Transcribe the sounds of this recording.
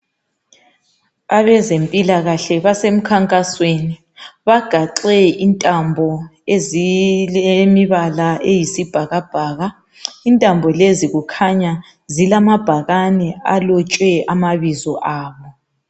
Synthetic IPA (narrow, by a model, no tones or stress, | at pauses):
aβɛzempʼilaɣaɬɛβasem̩kʰaŋkʼasweni | βaɡ̥ʱaǁɛintʼambʱɔezilemiβalaʔejisib̥ʱaɣab̥ʱaːɣa | intʼambʱɔleziɣukʰaɲa | zilamab̥ʱaɣanɛalɔt͡ʃʼwɛʔamaβizɔʔaːβɔ